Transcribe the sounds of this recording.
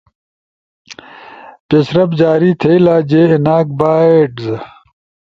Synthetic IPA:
pesɾɐbd͡ʑaːɾiːt̪ʰeilaːd͡ʑeːinaːk̚baːeʈz

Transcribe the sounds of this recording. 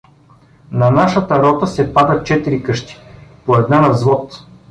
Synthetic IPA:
nɐnaʃət̪ɐɾɔt̪əsɛpad̪ət̪̚t͡ʃɛt̪iɾikɤʃt̪i̥poɛd̪nanɐvzvɔt̪

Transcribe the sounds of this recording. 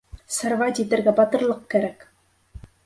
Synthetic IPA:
sɤ̆ɾvɑt̪it̪ɘ̆ɾɡæbɑt̪ɤ̆ɾlˠɤq̚kæɾæk

